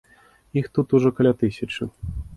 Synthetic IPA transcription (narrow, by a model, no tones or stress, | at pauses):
ixt̪ut̪uʐɔkɐlʲat̪ɨsʲat͡ʂɨ